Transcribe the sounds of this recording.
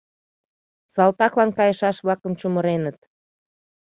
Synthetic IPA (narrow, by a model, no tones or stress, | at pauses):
sɑlt̪ɑklɑnkɑjəʃɑʃβlɑkəmt͡ɕuməɾenət̪̚